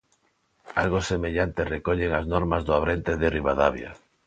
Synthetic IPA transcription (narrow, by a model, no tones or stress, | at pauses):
alɣosemeʎant̪erekɔʎeŋaznɔɾmazðʊaβɾent̪eðeriβaðaβja̰